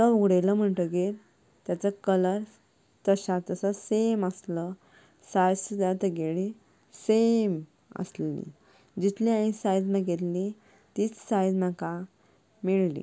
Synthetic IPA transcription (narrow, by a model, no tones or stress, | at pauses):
t̪əuɡɽeləm̤əɳʈəɡet̪ | t̪jat͡səkələɾ | t̪əɕat̪əsəseməslə | sajd͡zsud̪at̪əɡeɭ̃i | sem | ə̰sllḭ̃ | d͡ʑit̪lĩãĩsajd͡zmãɡet̪li | t̪iːt͡ssajd͡zmaka | miɭlḭ